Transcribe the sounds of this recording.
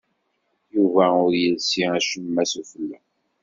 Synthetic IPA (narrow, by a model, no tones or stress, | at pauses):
juvæʊɾjəlsiæʃumːæsufəlːæ